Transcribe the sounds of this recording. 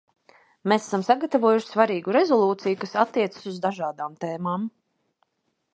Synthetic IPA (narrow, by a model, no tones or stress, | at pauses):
mesḁsamsaɡat̪avuɔjuʃsvaɾiːɡuɾɛzɔlˠuːt̪sijukasat̪ːiɛt̪sḁsuzd̪aʒaːd̪aːmt̪ɛːmaːm